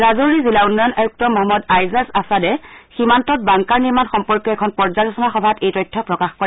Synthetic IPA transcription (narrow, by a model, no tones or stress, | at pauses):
zazoɹizilaunːɔjɔnʔajuk̚tɔmɔɦɔmːɔdajzasasadɛximantɔt̚baŋkaɹniɹmanxɔmpɔɹkjɔɛkʰɔnpɔɹzalɔsɔnaxɔbʱatejtɔjtʰːɔpɹɔkaxkɔɹɛ